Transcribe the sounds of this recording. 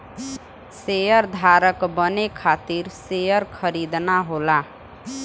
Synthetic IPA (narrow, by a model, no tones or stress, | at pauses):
sejəɾd̪ʱaɾəkbənekʰat̪iɾsejəɾkʰəɾid̪naɦola